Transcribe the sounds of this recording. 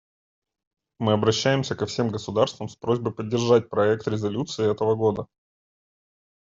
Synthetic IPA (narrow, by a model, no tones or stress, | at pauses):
mɨɐbɾɐɕːæjɪmsʲəkɐfsʲe̞mɡəsʊd̪arst̪vəmspɾo̞zʲbəjpədʲːɪrʐat̚ʲpɾɐɛk̚t̪ɾʲɪzɐlʲut̪sɨɪɛt̪əvəɡo̞d̪ə